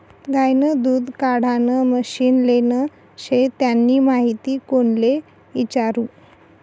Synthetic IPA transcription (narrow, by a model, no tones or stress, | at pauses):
ɡajnəd̪uːd̪kaɽ̤anəməɕiːnlenə | ɕet̪janːiːmaɦit̪iːkoɳle | it͡ɕaɾuː